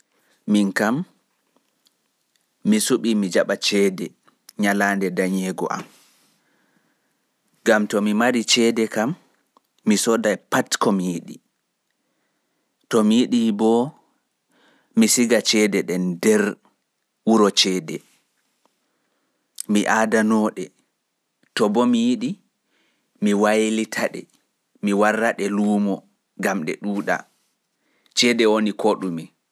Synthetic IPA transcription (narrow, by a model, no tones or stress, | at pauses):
minkam | isuɓimid͡ʒaɓat͡ʃɛdɛ | ɲalaːndɛdaɲɛɡɔ̰ʔa̰m | ɡamtɔmimaɾit͡ʃɛːdɛkamː | isɔdajpatkɔmijiɗi | tɔmijiɗibɔ | misiɡat͡ʃɛdɛɗɛndɛɾ | wuɾɔt͡ʃɛːdɛ | miʔaːdanɔɗɛ | tɔbɔmijiɗi | miwajlitʰaɗɛ̰ | miwarːaɗɛluːmɔ | ɡamɗɛ̰ɗuːɗa̰ | t͡ʃɛdɛwonikoɗumi